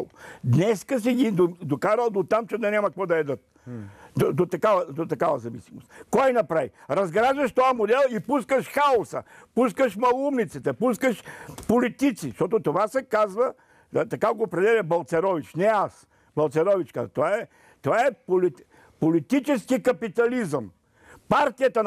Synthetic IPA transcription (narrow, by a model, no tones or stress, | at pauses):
d̪nɛskəs̬iɡ̪id̪od̪okaɾəlˠd̪ot̪amt͡ʃɛd̪ɐnʲamɐkvɔd̪ɐɛd̪ət̪̚ | od̪ot̪ɐkavɐd̪ot̪ɐkavɐzɐvisimost̪kɔjnɐpɾajɾɐzɡɾaʒd̪əʃt̪ojɐmod̪ɛlˠipuskəʃxaosə̰puskəʃmɐlˠumnit̪sɛt̪ɛpuskəʃpolit̪it̪siʃt̪ɔt̪ot̪ovasɛkazvə | t̪ɐkaɡoːpɾɛd̪ɛlʲɐbɐlˠt̪sɛɾɔvit͡ʃnɛas | bɐlˠt̪sɛɾɔvit͡ʃka̰zɐt̪ovaɛ | t̪ovaɛpoli | polit̪it͡ʃɛskikɐpit̪ɐlizəm | paɾt̪ijət̪ən